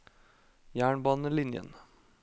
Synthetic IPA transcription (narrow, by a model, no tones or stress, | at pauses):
jæːɳbɑːnəlɪnjə̰n